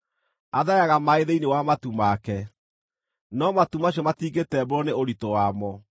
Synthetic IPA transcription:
aðajaɣamaeðeinewamatumakɛ | nɔmatumaɕ̬iɔmatiːŋɡetɛboɾɔneoɾitɔwamɔ

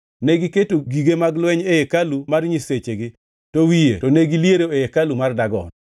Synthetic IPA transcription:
neɡiketoɡiɡemaɡlwɛɲeekalumarɲiset͡ʃeɡɪ | towijḛtɔneɡiljeɾoejekalumardaɡɔ̰n

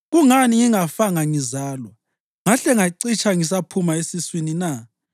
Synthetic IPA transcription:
ɣuŋaniŋiŋafaŋaŋizaːlwa | ŋaɬɛŋaǀit͡ʃʰaŋis̬apʰumaesiswinina

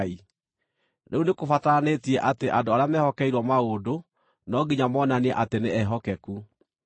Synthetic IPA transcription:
i | neunekofataneːtiɛʔateʔadoaɾeamɛhɔkɛiɾwɔmaɣodo | nɔɡiɲamɔnaniɛʔateneɛɦɔkɛku

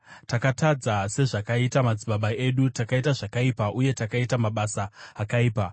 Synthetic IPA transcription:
takatad͡zase̞ʐakaitamad͡ziɓaɓae̞ɗutakaitaʐakaipaʔuje̞takaitamaɓasaːkaiːpa

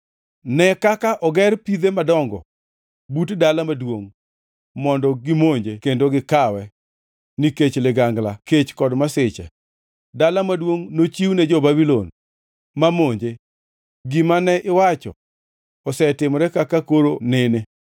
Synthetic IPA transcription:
nɛkakaʔɔɡɛrpid̪emadɔŋɡɔ̰ | butdalamadwoŋ | mɔndɔɡɪmoɲd͡ʒekendoɡɪkawɛ | niket͡ʃlɪɡaŋɡlaket͡ʃkɔdmasɪt͡ʃɛ̰ | dalamadwoŋnot͡ʃiwnɛd͡ʒɔbabilɔn | mamoɲd͡ʒe | ɡɪmanɛʔɪwat͡ʃɔ̰ | ɔsɛtɪmɔɾɛkakakoɾonɪne

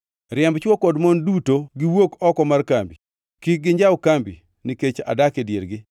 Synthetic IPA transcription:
ɾjɛmbt͡ʃwɔkɔdmɔndutoɡɪwokɔkɔmarkambi | kɪɡɪɲd͡ʒawkambḭ | niket͡ʃa̰dakedjḛɾɡɪ

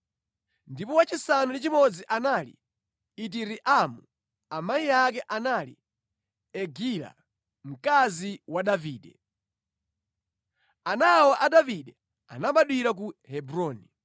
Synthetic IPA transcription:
ndipɔwat͡ʃisanulit͡ʃimɔd͡ziʔanalḭ | it̬iɾiʔamu | amaijakɛʔanalḭ | ɛɡila̰ | m̩kaziwaɗaviːɗɛ | anawaʔaɗaviɗɛ | a̰naɓaɗwiɾak̬uhɛbɾɔːni

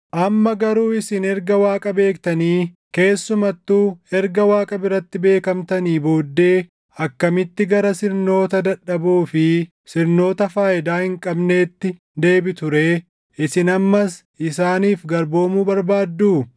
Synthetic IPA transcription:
ʔɐmːɐɡɐɾuːɪsɪnɛɾɡɐwaːkʼɐbe̞ːkt̪ɐniː | ke̞ːsːʊmɐt̪ːuːɛɾɡɐwaːkʼɐbɪrɐt̪ːɪbe̞ːkɐmt̪ɐniːboːd̪ːe̞ː | ɐkːɐmɪt̪ːɪɡɐɾɐsɪɾno̞ːt̪ɐd̪ɐᶑːɐbuːfɪ | sɪɾno̞ːt̪ɐfaːʔɪd̪aːhɪŋkʼɐbne̞ːt̪ːɪ | d̪e̞ːbɪt̪ʊɾe̞ː | ʔɪsɪnɐmːɐsʔɪsaːniːfɡɐɾbo̞ːmuːbɐɾbaːd̪ːuː

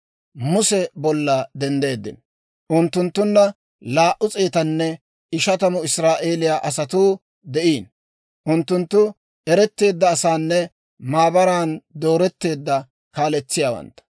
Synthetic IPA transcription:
mʊsɛbɔlːɐd̪ɛnd̪e̞ːd̪ːɪ̰n | ʔʊnt̪ːʊnt̪ːʊnːɐ | laːʔʊt͡sʼeːt̪ɐnːɛ | ɪʃɐt̪ɐmʊɪsɾaːʔe̞ːlɪjaːʔɐsɐt̪uː | d̪ɛʔiːn | ʔʊnt̪ːʊnt̪ːʊ | ɛɾɛt̪ːe̞ːd̪ːɐːsaːnːɛ | maːbɐɾaːnd̪o̞ːɾɛt̪ːe̞ːd̪ːɐ | kaːlɛt͡sːɪjaːwɐ̰nt̪ːɐ̥

